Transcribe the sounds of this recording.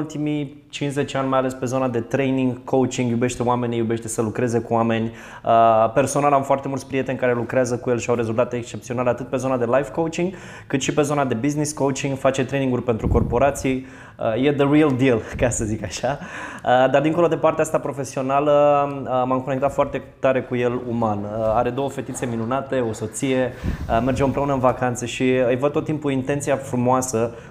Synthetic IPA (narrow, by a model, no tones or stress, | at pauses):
ult̪imi | t͡ʃins̬zet͡ʃeanʲmajale̞spe̞zo̞nad̪e̞t̪ɾe̞jniŋɡkʰowt͡ʃiŋɡjube̞ʃt̪e̞oame̞nʲijube̞ʃt̪e̞səlukɾe̞ze̞kuwame̞nʲ | əpe̞rso̞nalamfoart̪e̞mult̪spɾije̞t̪enʲkaɾe̞lukɾeazəkuje̞lʃiawɾe̞zult̪at̪eːkst͡ʃe̞pt̪sioaleat̪ɨt̪̚pe̞zo̞nad̪e̞lajvkowt͡ʃiŋɡ | kɨt̪ʃipe̞zo̞nad̪e̞bizniskowt͡ʃiŋɡfat͡ʃe̞t̪ɾe̞jniŋɡurʲpent̪ɾuko̞rpo̞ɾat̪sij | əje̞d̪əriəld̪ilkasəzikaʃaəd̪ard̪iŋko̞lo̞d̪e̞part̪east̪apɾo̞fe̞sio̞naləəmamkone̞k̚t̪at̪foart̪e̞t̪aɾe̞kuje̞lumanəaɾe̞d̪o̞woəfe̞t̪it̪se̞minunat̪e̞o̞so̞t̪sije̞əme̞rd͡ʒeɨmpɾe̞unəɨnvakant̪səʃiɨjvəd̪̚t̪ot̪ːimpuint̪e̞nt̪sijafɾumoasə